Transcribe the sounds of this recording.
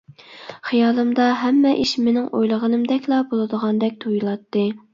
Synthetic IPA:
χijɑːlˠɨmd̪ɑɦɛmːɛʔiʃmenɪŋʔo̰jlˠəʁənɨmd̪ɛkʲlˠɑbolˠɨd̪əʁɑnd̪ɛk̚ʲt̪ʰujulˠɑt̪ːɨ

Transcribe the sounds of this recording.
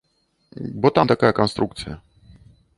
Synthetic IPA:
bɔt̪amt̪akajəkanst̪ɾuk̚t̪sɨjɐ

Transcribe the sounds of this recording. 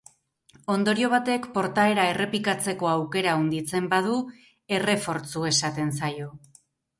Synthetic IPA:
o̞nd̪o̞ɾio̞β̞at̪e̞kpo̞ɾt̪ae̞ɾae̞re̞pikat͡se̞ko̞awke̞ɾaond̪it͡se̞mbað̞u | e̞re̞fo̞ɾt͡sue̞sat̪e̞nsajo̞

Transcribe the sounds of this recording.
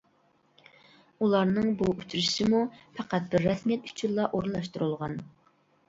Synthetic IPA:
ulˠɑɾnɨŋbuut͡ʃʰuɾʃɪmupʰæqæt̪̚bɪɾːɛsmjɛt̪y̥t͡ʃʰynlˠɑʔoɾnlˠɑʃt̪uɾulˠʁɑn

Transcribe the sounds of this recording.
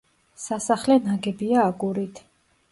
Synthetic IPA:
sasaχlɛnaɡɛbiaːɡuɾit̪ʰ

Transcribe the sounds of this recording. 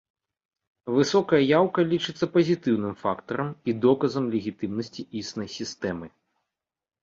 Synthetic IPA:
vɨsɔkɐjɐjawkɐlʲit͡ʂɨt̪sːɐpɐzʲit̪ɨwnɨmfakt̪ɐɾɐmid̪ɔkɐzɐmlʲeɣʲit̪ɨmnɐsʲt͡sʲiisnɐjsʲist̪ɛmɨ

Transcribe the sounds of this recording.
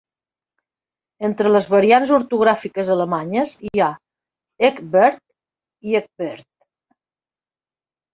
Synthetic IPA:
ent̪ɾələzβəɾianzuɾt̪uɣɾafikəzələmaɲəzia | ekbɛɾt̪ | iek̚bɛɾt̪

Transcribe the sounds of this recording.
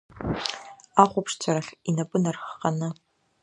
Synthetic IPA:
aːχʷʊpʂt͡sʷʰɐɾɐɬinɐpʼɨnɐrxqɐnɐ

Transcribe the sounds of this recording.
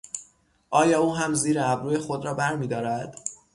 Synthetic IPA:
ʔɒːjɒːuːɦæmziːɾeæbɾuːjexo̞d̪ɾɒːbæɾmiːd̪ɒːɾæd̪̥

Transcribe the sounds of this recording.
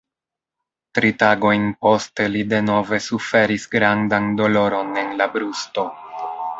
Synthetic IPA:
tɾitaɡo̞jnpo̞ste̞lide̞no̞ve̞sufe̞ɾisɡɾandando̞lo̞ɾo̞ne̞nlabɾusto̞

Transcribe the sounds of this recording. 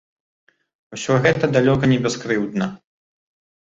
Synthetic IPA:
wsʲɔɣɛt̪ɐd̪alʲɔkɐnʲɛbʲɛskɾɨwd̪nɐ

